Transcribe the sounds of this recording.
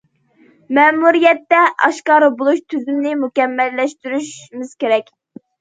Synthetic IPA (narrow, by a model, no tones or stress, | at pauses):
mɛːmuɾijɛt̪ːɛʔɑ̰ʃkɑːɾɨbolˠuʃt̪ʰyzymnɪmukʲɛmːɛlːɛʃt̪yɾyʃmɪz̥kʲeɾɛkʲ